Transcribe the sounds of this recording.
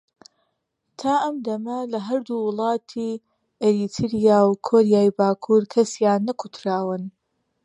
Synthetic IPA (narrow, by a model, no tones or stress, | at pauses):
t̪ʰaːʔɐmd̪ɐmɐlɐɦɐɾd̪uwɨlˠɑːt̪ʰi | ʔeɾit̪ʰɨɾijaːwkʰoːɾijaːjbaːkʰuɾkʰɐsjaːnːɐkʰut̪ʰɾaːwɨn